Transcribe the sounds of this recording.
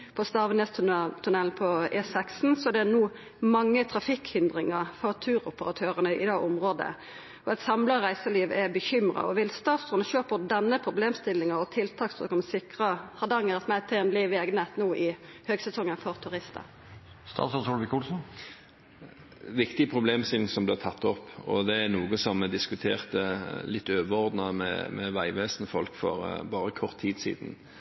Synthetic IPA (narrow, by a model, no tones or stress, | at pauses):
pʰɔst̪ɑːʋənɛst̪ʰt̪ʰʉnɛlnpʰɔɛːsɛksn̩sɔd̪ɛænuː | mɑŋːət̪ʰɾɑfɪkhʏnd̪ʁɪŋəʁfɔʁt̪ʰʉːɾʊpəʁɑt̪ʰøːʁənəʔɪd̪ɛʔʊmʁoːd̪ə̰ | ɔɛt̪sɑmləʁæɪsəliːʋɛbəçʏmʁɑ̰ɔʋɪlst̪ɑːt̪sʊnʃøːpɔd̪ɛnːəpʰʁʊbleːmst̪ɪlːɪŋəʁɔt̪ʰɪlt̪ʰɑːksd̪ʁʉ̰ːkɔmsɪkʁəhɑd̪ɑŋːəʁɑt̪mæt̪ʰeːnliːʋeːɡənɛt̪nuːʔɪhøːɡsɛsɔŋːənfɔʁt̪ʰʉɾɪst̪ə̰ | st̪ɑ̰ːt̪sɔsɔlʋɪkuːlsn̩ | ʋɪkt̪ɪəpʰʁʊbleːmsɪlŋsɔmb̪lɪæʁt̪ʰɑt̪ːɔpːɔ̰d̪ɛænuːɡəsɔmɛd̪ɪskʉt̪ʰeːʁt̪əlɪt̪ːøːʋəɔʁd̪nɑmɛ̰mɛ̰ʋæɪʋeːsənəfɔlkfɔ̰ɾbɑːɾəkʰɔʁt̪ʰːiːd̪sḭːd̪n̩